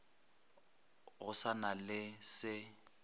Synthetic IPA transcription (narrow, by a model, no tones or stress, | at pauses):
ɣʊsanalɪsɪ